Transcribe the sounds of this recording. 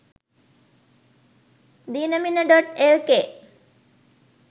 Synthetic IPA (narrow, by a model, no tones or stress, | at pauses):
d̪iːnɐminɐɖoʈelke